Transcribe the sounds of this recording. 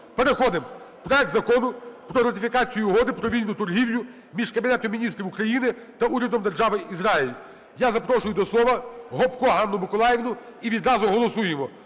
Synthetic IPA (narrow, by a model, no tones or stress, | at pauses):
peɾexɔd̪ɪm | pɾɔɛk̚t̪zɐkɔnʊpɾɔɾɐt̪ʲɪfʲikɑt͡sʲijʊːɦɔd̪ɪpɾɔʋʲilʲnʊt̪ʊrɦiwlʲʊ | mʲiʒkɐbʲinɛt̪ɔmʲinʲist̪ʲɾʲiwʊkɾɐjinɪ | t̪ɐuɾʲɐd̪ɔmd̪erʒɑʋɪizɾɑɪlʲi | jazɐpɾɔʃʊjʊd̪ɔslˠɔʋɐɦɔpkɔɦɑnːʊmɪkɔlˠɑjeʋnʊiʋʲid̪ɾɑzʊɦɔlˠɔsujemɔ